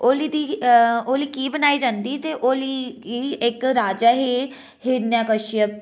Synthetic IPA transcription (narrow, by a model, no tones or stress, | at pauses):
oːliːd̪iːoːliːkiːbənaːiːd͡ʒãːnd̪iːt̪eːʔoːliːkiːɪkɾaːd͡ʒaːɦiː | hɪɾnjaːkəʃijək̚